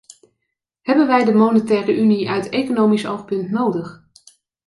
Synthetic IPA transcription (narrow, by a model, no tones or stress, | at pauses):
ɦɛbənʋɛjdəmownətɛːrəʔyniœɥtejkonowmisowχpɵntnowdəχ